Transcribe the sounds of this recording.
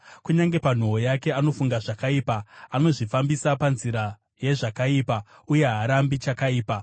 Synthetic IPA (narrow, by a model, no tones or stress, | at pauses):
kuɲaŋɡe̞pan̤oɦojake̞ano̞fuŋɡaʐakaiːpaːno̞ʐifambisapanziɾa | je̞ʐakaiːpa | uje̞ɦaɾambit͡ʃakaiːpa